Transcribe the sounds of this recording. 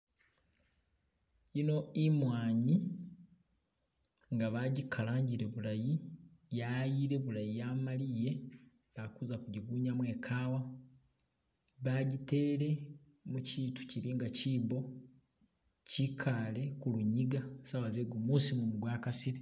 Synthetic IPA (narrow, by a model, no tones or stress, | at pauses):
ino̞imwaːɲi | ŋɡaβaɟikʰalaːɲɟiɾe̞βulajijajiɾe̞βuɾajijaːmalije̞ | βakuzakuɟiɡuːɲamwe̞ːkʰaːwa | βaɟite̞ːɾe̞ | muciːtu̥ciɾiŋɡaciːbo̞ | cikʰale̞kuluɲiɡasawazeɡomuːsimumuɡwaːkasiɾe